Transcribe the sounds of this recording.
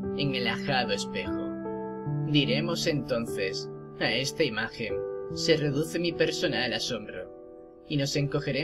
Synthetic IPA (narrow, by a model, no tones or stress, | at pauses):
eŋelaxaðoespe̞xo | d̪iɾe̞mo̞se̞nt̪o̞nθe̞s | aest̪aimaxe̞nse̞re̞ðuθe̞mipe̞ɾso̞naelaso̞mbɾo̰ | ino̞se̞ŋko̞xe̞ɾe